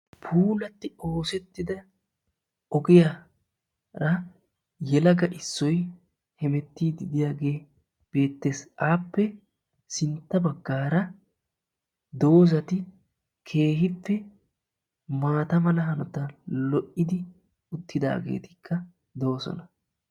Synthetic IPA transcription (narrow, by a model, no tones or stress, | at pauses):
pʰuːlɐt̪ːɪo̞ːsɛt̪ːɪd̪ɐ | ɔɡɪja | ɾɐ | jɛlɐɡɐʔɪsːɔj | hɛmɛt̪ːiːd̪ɪd̪ɪjaːɡe̞ː | b̥e̞ːt̪ːe̞ːsaːpːɛ | sɪnt̪ːɐbɐɡːaːɾɐ | d̪o̞ːzɐt̪ɪ | kʰe̞ːhɪpːɛ | maːt̪ɐmɐlɐɦɐnɔt̪ɐlɔʔɪd̪ɪ | ʊt̪ːɪd̪a̰ːɡe̞̰ːt̪ɪ̥kʰːɐ | d̪o̞ːsɔ̰nɐ